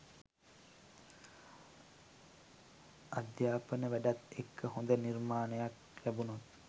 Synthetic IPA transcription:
ad̪jaːpənəʋæɖat̪ekʰːəɦond̪ənirmaːnəjak | læbunot̪

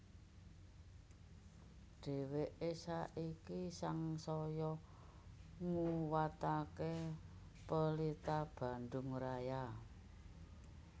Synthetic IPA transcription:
ɖ̥e̤weʔesaʔikisaŋsɔjɔ | ŋuwat̪ake | pəlit̪ab̥ä̤ndʊŋraja

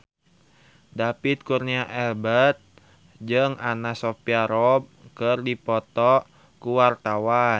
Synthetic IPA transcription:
dapit̪̚kurniaʔɛlbət̪̚ | d͡ʒɨŋanasɔpiaɾɔb̚kɨrdipɔt̪ɔʔ | kuwart̪awa

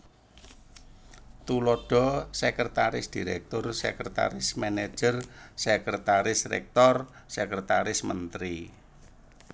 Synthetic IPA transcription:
t̪ulɔɖ̥ɔ̤sɛkɾet̪aɾɪsd̪̥i̤ɾɛk̚t̪ʊrsɛ̰kɾet̪a̰ɾɪsmɛne̥d͡ʒ̥ərsɛkɾet̪aɾɪsrɛ̰k̚t̪ɔr | sɛkɾet̪aɾɪsmənt̪ɾi

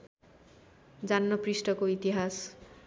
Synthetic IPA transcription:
d͡zanːʌprisʈʌkoit̪iɦas

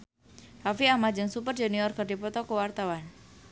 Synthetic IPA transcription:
rafiamad͡ʒɨŋsupərd͡ʒeniɔrkərdipɔt̪ɔkəwart̪awan

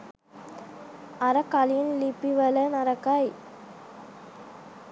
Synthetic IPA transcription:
ɐɾɐkːaljɪnlipːiʋɐlɐnɐɾɐkːaj

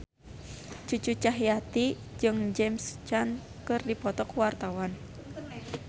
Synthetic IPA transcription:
t͡ʃut͡ʃut͡ʃaɦjat̪i | d͡ʒɨŋd͡ʒɛmst͡ʃan | kɨrdipɔt̪ɔkwart̪awan

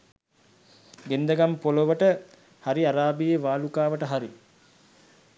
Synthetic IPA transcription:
ɡend̪əɡampoloʋəʈə | haɾiaɾaːbijeʋaːlukaːʋəʈəɦaɾi

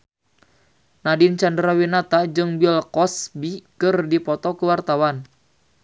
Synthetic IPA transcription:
nadint͡ʃandɾawinat̪ad͡ʒɨŋbilkɔsbikɨrdipɔt̪ɔkəwart̪awan

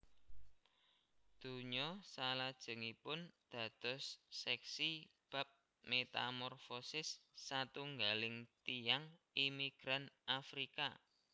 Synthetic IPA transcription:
d̪̥ṳɲɔsalad̥ʒ̥ə̤ŋipʊnd̪̥ä̤d̪̥ɔ̤sːɛksib̥a̤p̚ | met̪a̰mɔrfɔsɪsːat̪uŋɡalɪŋt̪ijaŋimiɡ̥ɾanʔafɾika̰

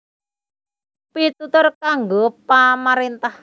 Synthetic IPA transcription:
pit̪ut̪ʊrkaŋɡopamaɾent̪ah

